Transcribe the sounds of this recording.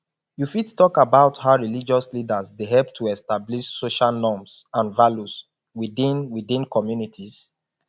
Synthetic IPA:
jufittːɔkabaʊthaʊɹilid͡ʒɔslidazdeɦɛlp̚tʰuɛstabliʃsoʃalnɔmsãnvaljus | widĩnwidĩnkʰɔmjunitʰis

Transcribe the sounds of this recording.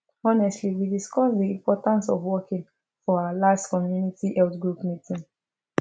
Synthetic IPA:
ɔnɛstliwidiskɔsdiĩmpɔtãnsɔvwɔkĩŋ | fɔaalastkɔmjunitʰiʔɛltɡɹupmitʰĩŋ

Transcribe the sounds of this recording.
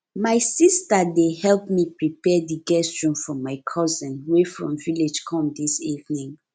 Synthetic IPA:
maɪsistadehɛlpmipɹipɛdiɡɛstɹɔ̃mfɔmaɪkʰɔzɛ̃nwefɹɔ̰̃mviled͡ʒkʰɔ̃mdisivnĩŋ

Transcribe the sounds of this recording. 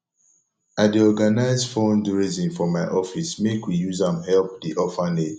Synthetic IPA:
adiɔɡanaɪzfɔ̃nduɹizĩnfɔmaɪʔɔfismekwijuzãmhɛlp̚diʔɔfaned

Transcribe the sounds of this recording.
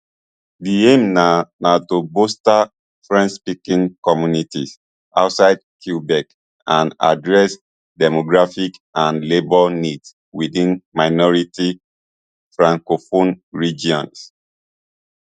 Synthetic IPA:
diemnanatobosta | fɹɛ̃nʃpikĩŋkɔmjunitis | a̰ʊtsaɪd̚kʰubɛk | ãna̰dɹɛs | dɛmoɡɹafikãnlebɔlnids | widĩnmaɪnɔɹiti | fɹãŋkofonɹid͡ʒiɔ̃ns

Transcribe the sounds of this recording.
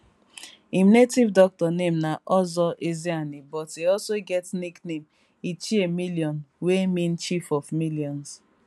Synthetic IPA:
iminetivdɔk̚tɔnemnaʔɔzɔʔezianibɔteɔlsoɡɛtniknem | it͡ʃiemiliɔnwemĩn̩t͡ʃifɔfmiljɔ̃ns

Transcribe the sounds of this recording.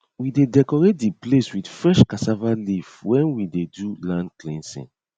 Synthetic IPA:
widedɛkɔɹet̚dipleswidfɹɛʃkasavalivwɛ̃nwidedulãndklĩnsḭ̃n

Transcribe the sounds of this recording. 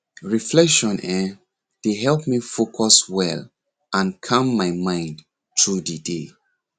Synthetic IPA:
ɹiflɛkʃɔ̃nɛ | d̥eɦɛlpmifokʰɔswɛl | ãnkʰãmːajmãɪ̃nd | tʰɹudide

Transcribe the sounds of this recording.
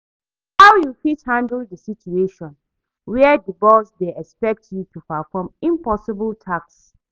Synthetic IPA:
hawjufithãndəldəsitueʃɔ̃n | wɛɛdibɔsdeɛkspɛk̚tjutʰupafɔmĩmpɔsɪbəltʰaks

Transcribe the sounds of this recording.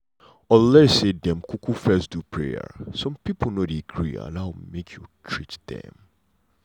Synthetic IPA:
ɔllɛsedɛ̃mkʰukʰufɛsd̥upʰɹḛə̰sɔ̃mpipʰl̩nodeɡʰɹḭa̰laʊmekʰjutʰɹitd̥ɛ̰̃m

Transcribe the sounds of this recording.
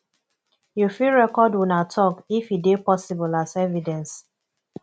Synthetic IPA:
jufiɹɛkɔdwunatʰɔkifidepɔsibulasɛvidɛ̃ns

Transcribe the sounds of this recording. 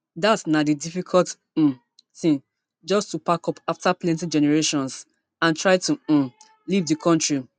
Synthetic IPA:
datnadidifikʰɔlt̩ | θĩn | d͡ʒɔstupakɔpaftaplɛ̃ntid͡ʒɛnɛɹeʃɔ̃ns | ãntʰɹaɪtu | livdikʰɔ̃ntɹi

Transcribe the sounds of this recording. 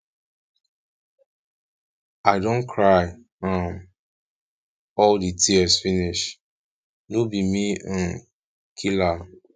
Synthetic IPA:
aɪdõnkʰɹaɪ | am | ɔlditʰiəsfiniʃ | nobimiãn | kʰila

